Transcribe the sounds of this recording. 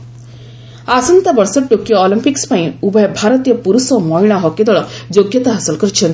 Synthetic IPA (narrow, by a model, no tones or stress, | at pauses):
asɔnt̪abɔɾsɔʈokijɔːlimpikspaĩubɔebʱaɾɔt̪ijɔpuɾusɔmɔɦiɽ̃aɦɔked̪ɔɭɔd͡ʒoɡjɔt̪aɦasɔlkɔɾit͡ʃʰɔn